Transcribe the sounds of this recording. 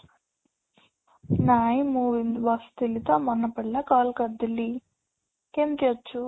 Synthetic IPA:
naːjimuːʋiŋʋɐst̪ilit̪oːmɔnːɐpɐɽlɐkaːlkɐd̪ili | kent̪iɐt͡ʃːu

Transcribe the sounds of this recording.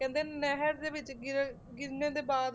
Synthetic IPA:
kɛ̃ːnd̪eːnɛɦəɾd̪eːʋɪt͡ʃɡɪɾ | ɡɪɾneːd̪eːbaːd̪

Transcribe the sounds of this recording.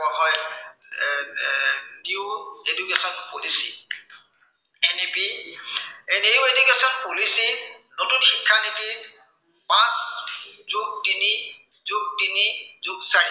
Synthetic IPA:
aɦɔj | niʊedukɛsɔnpolisḭ | ɛnipi | niʊedukesɔnpolisinotunxikʰːaniki | pãszuk̚dini | zʊk̚dinizʊk̚sa

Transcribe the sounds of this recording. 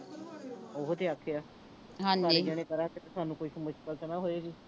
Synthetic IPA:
oɦt̪ʰeːaːkʰejaː | ɦãːaːɾeːd͡ʒɛːɽ̃ẽːkəɾaːket̪esaːnũːkoiːʃəmʊʃkəlt̪ənaːɦoːeːɡiː

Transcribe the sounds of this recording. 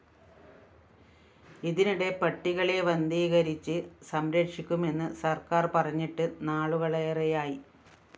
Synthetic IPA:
iðiniɽe̞pɐʈːiɣɐɭe̞ʋɐnd̪iːɣɐɾit͡ɕːɨsɐmɾɐkʂikʲːume̞nːɨsɐrkaːrpɐrɐɲːiʈːɨnaːɭuɣɐɭejrejaːji

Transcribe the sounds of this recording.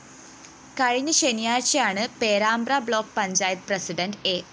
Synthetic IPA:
kɐɻiɲɨɕenjaːrt͡ɕːɐjaːɳɨpeːɾaːmbrabɭo̞ːk̚ːpɐɲd͡ʑaːjɐt̪̚prɐsiɖɐnɖeː

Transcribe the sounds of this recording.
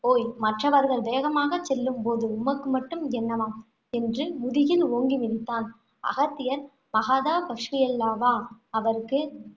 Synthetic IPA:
oːjmɐʈrɐʋɐɾɣɐɭbeːɣɐmaːɣɐt͡ʃːɛlːɯmpoːðɯʊmɐkːɯmɐʈːɯmɛnːɐmaːm | ɛndrɯmʊðɪjɪloːŋɡimɪðɪt̪ːaːn | ɐ̰ɣɐt̪ːɪjɐɾ | mɐɣaːðaːbɐkʂkɪjɐlːaːʋaːɐʋɐɾɯkːɯ

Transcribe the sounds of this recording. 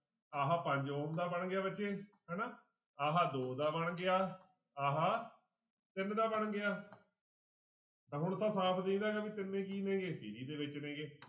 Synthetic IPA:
aːɦaːpə̃ɲd͡ʒoːnd̪aːbəɳɡɪjaːbətːʃeːɦɛːnaː | aːɦaːd̪oːd̪aːbəɳɡɪaː | aːɦaː | t̪ɪnd̪aːbəɳɡɪaː | t̪ãːɦʊɳt̪ʰãːsaːpʰd̪ẽĩːnaːɡaːbiːt̪ɪnːẽːkiːnẽːɡeːsḭːɾiːd̪eːʋɪt͡ʃnẽːɡeː

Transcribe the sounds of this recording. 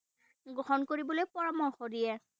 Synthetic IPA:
ɡɹɔhɔnkoɹibɔlojpɔɹamɔɹxodijɛ

